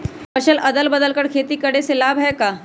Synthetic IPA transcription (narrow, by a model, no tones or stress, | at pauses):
pɐʃəlɐd̪əlbəd̪əlkəɾkʰeːt̪ikɐɽesɪlaːbɦɛkaː